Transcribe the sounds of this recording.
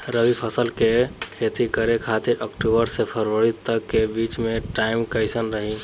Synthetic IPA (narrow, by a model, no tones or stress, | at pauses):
ɾəʋipʰəsəlkekʰet̪ikəɾekʰat̪iɾʔəkʈubəɾsepʰəɾʋəɽit̪əkːebit͡ʃmẽʈaimkəɪsənɾəɦi